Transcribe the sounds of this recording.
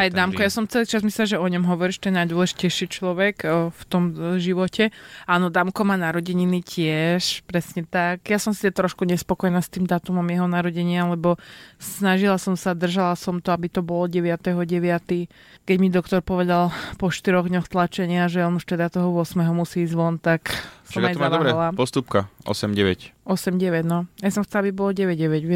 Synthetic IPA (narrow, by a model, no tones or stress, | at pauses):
ajd̪amkɔjasɔmt͡sɛlit͡ʃazmislɛʒɛɔɲɔmɦɔʋɔɾiʃt̪ɔɛjɛnajd̪wɔlɛʒicɛjʃit͡ʃlɔʋɛkft̪ɔmʒiʋɔcɛanɔd̪amkɔmaːnaɾɔɟɛɲinicʰɪɛʃpɾɛsɲɛt̪akjasɔmsit̪at̪ɾɔʃkuɲɛspɔkɔjɛnaːst̪iːmd̪aːt̪umɔmjɛɦɔnaɾɔɟɛɲɪalɛbɔsnaʒilasɔmsad̪r̩ʒalasɔmt̪ɔabit̪ɔbɔlɔɟɛʋɪat̪ɛɦɔɟɛʋɪat̪i | kɛɟmid̪ɔkt̪ɔɾpɔʋɛd̪alpɔʃt̪iɾɔɣd̪ɲɔxt̪lat͡ʃɛɲɪaʒɛɔnuʃt̪ɛd̪at̪ɔɦɔʊɔsmɛɦɔmusiːzʋɔnt̪aksʃɔamaj̪ɔad̪ɔaɾɛlapɔst̪up̚kaʔɔ̰sɛmɟɛʋɛ̰cʔɔsɛmɟɛʋɛɟnɔajsɔmxt͡sɛlabibɔlɔɟɛʋɛɟɟɛʋɛɟʋ